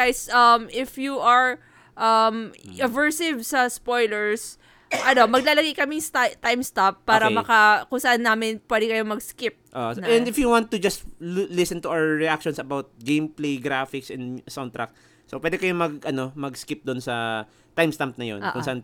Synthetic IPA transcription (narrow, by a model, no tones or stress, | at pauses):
ɡajsʔɐmʔɪfjuʔɐɹ | ʔɐmʔɐvɛɹsɪvsɐspojlɛɹs | ʔɐno̞mɐɡ̚laːlɐɡɐjkɐmɪŋst̪at̪ajmst̪apːaːɾɐmɐkɐkʊŋsɐʔanːaːmɪnpwɛːd̪ɛkɐjomɐɡskɪp̚ʔo̰ʔ̪ɐɛ̃nd̪ɪfjuwãnt̪ːʊd͡ʒɐst̪lɪsɛnt̪ʊʔawɹɛʔakʃonsɐbawt̪̚ɡejmplejɡɾafɪksɛnsawnt̪ɾa̰k̚ | sopwɛd̪ɛkɐjomɐɡʔɐno̞mɐɡskɪp̚d̪ʊnsɐ | t̪ajmst̪amp̚nɐjo̰nʔʔkʊ̃nsɐʔan